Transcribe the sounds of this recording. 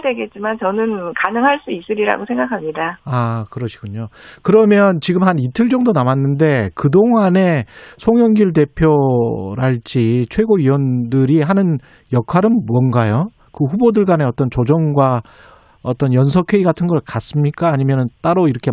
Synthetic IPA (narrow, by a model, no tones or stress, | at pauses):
dweɡe̞t̚t͡ɕ͈imant͡ɕʌnɯnkanɯŋɦaɭs͈uis͈ɯɾiɾa̰ɡosʰe̞ŋɡakʰamɲidaakɯɾʌɕʰi̥ɡ̥uɲokɯɾʌmjʌnt͡ɕiɡɯmhanitʰɯɭd͡ʑʌŋdonamanːɯnde̞kɯdoŋane̞sʰoŋjʌŋɡiɭt̬e̞pʰjoɾaɭt͡ɕ͈it͡ɕʰwe̞ɡoɥiwʌndɯɾiɦanɯn | jʌkʰaɾɯnmuʌnɡajo | kɯɸubodɯɭɡwane̞ʌt͈ʌnt͡ɕod͡ʑʌŋɡwa | ʌt͈ʌnjʌnsʰʌkʰe̞iɡatʰɯnɡʌɭkas͈ɯmɲik͈aːɲimjʌnɯnt͈aɾoiɾʌkʰe